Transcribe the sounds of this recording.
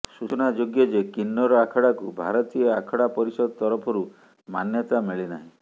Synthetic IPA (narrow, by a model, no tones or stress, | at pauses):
susɔnad͡ʒoɡjɔd͡ʒekinːɔɾɔakʰɔɽakubʱa̰ɾɔt̪iɔakʰɔɽapɔɾisɔd̪ɔt̪ɔɾɔpʰɔɾu | manjɔt̪amiɭina̰ɦĩ